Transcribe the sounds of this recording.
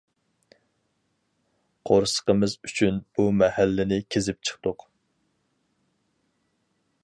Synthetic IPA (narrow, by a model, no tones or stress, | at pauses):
qʰoɾsə̥qəmɨzyt͡ʃʰynb̥umɛhælːɪnɪkʲʰezɪp̚t͡ʃʰə̥χt̪ʊq